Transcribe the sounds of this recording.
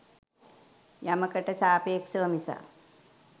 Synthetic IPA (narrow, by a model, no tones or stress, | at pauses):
jaməkəʈəsaːpeːkʃɐʋəmisa̰